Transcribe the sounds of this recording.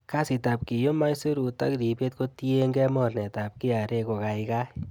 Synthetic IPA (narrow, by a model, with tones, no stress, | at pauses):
ka˦si˨ta˨p̚ki˨jo˦ma˦jsu˦ɾu˨ta̰˦kɾi˨pe˦t̚ko˧˦ti˦e˦ŋɡɛ˦mɔ˦˨rnɛ˨ta˨p̚ki˦a˨ɾe˧ko˨ka˨i˧ka˦